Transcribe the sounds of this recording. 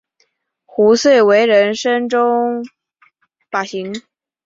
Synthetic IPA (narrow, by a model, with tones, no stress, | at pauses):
xu˧˥swe˥˩ɪwe˧˥ɪɻə˧˥nʂə˥ŋʈ͡ʂʊ˥ŋ | pa˨˩ɕi˧˥ŋ